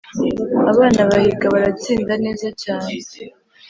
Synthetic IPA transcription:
aβaːnaβahiɡaβaɾat͡siːndane̞ːzat͡ʃaːɲe

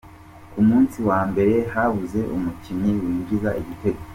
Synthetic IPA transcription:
kumuːnsiwaːmbe̞ɾe̞haβuze̞ʔṵmuciɲiwiːɟiza̰ʔiβite̞ɡo

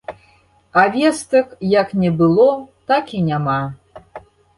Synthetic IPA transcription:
avʲɛst̪ɐkjɐknʲɛbɨlˠɔt̪akinʲama

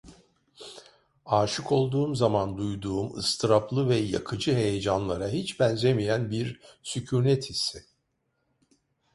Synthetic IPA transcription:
aːʃɯko̞lˠd̪uːmzamand̪ujd̪uːumɯ̰st̪ʰɯɾaplˠɯvɛja̰kʰɯd͡ʒɯɦe̞jed͡ʒanlˠaɾaɦit͡ʃbænzʲemijænbiɾsycʰuːnɛt̪ʰisɛ

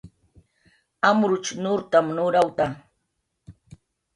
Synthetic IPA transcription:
amɾʊt͡ʃnʊɾt̪amnʊɾawt̪a

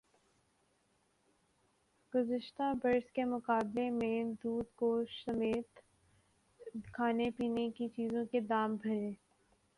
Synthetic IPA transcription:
ɡ̥ʊzəʃt̪abɐɾskemʊkaːblemẽd̪uːd̪koːʃsɐmeːt̪ | kʰaːnepiːnekit͡ʃiːzõked̪aːmbʱɐɾẽː

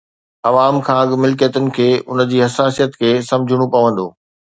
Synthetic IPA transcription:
ɐʋaːmkʰãːɐɠmɪlkijət̪ʊnɪ̆kʰeːʊ̰n̆d͡ʑiːɦɐsaːsijət̪kʰeːsɐ̃md͡ʑʱɪɽ̃opɐʋə̃nd̪oː

